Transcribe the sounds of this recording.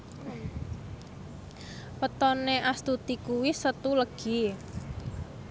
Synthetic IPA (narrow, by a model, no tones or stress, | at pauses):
pət̪ɔneʔast̪ut̪ikuwɪsət̪uləɡ̥i